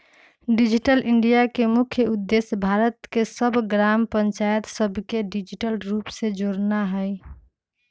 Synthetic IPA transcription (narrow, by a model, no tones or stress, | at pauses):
ɖid͡ʒiʈəlʔiɳɖijakemukʰjəud̪ːesjbʱaɾət̪kesəbʱɡɾampəɲt͡ʃajət̪səbʱkeɖid͡ʒiʈəlɾupsed͡ʒoɽnaɦəj